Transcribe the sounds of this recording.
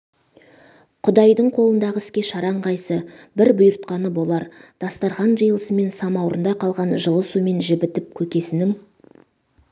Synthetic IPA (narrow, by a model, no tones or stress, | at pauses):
qʰʊd̪ɑjd̪əɴqʰo̞lˠənd̪ɑʁəɪskʲe̞ʃɑɾɑɴʁɑjsəbɪɾbʊjʊɾt̪̚qɑnəbo̞lˠɑɾd̪̥ɑst̪ɑɾʁɑnʒəjəlˠəsəme̞nsɑmɑwɾənd̪ɑqʰɑlˠʁɑnʒəlˠəsume̞nʒɪbɪt̪ɪp̚kʲʰɵkʲe̞sɪnɪŋ